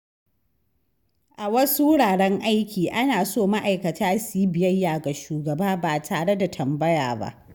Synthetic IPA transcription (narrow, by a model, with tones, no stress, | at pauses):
ʔa˨wɐ˦su˦ɽaː˨ɽɛ˦ŋʔa˦jkʲiː˨ʔa˦naː˨soː˦ma˦ʔa˨jkɐ˨tʰaː˦siː˦bɪ˨jɐ˦jːaː˨ɡa˨ʃuː˨ɡɐ˨baː˦baː˨tʰaː˨ɽe˦da˨tʰɐ˨mbɐ˦ja̰ː˨ba̰˦ʔ